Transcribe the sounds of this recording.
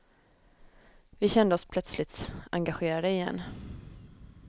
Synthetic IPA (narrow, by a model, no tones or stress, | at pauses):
vɪɕɛnd̪əɔspʰlœt̪slɪt̪a̰ŋɡaɧeːɾad̪əɪjɛ̰nː